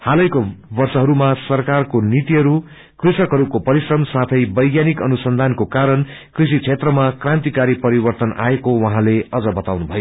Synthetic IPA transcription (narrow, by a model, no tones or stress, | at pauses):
halʌjkobʌrsʌɦʌɾumasʌrkarkonit̪iɦʌɾu | krisʌkɦʌɾukopʌɾisrʌmsat̪ʰʌjbʌjɡjanikʌnusʌnd̪ʱankokaɾʌnkrisit͡sʰet̪rʌmakrãnt̪ikaɾipʌɾibʌrt̪ʌnʔa̰ekowʌɦãleʌd͡zʌbʌt̪awnubʱʌjo